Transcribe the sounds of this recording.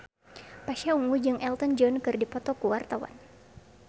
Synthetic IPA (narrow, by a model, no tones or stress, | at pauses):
paʃauŋud͡ʒɨŋʔɛlt̪ɔnd͡ʒɔnkɨrdipɔt̪ɔkuwart̪awa̰n